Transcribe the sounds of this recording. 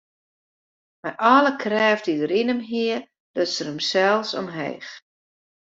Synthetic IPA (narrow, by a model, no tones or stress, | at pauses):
mɛjʔɔləkʰrɛːfdidəɾinəmɦiə | d̥ɔtsərəmsɛlˠfsɔ̰mɦḛːx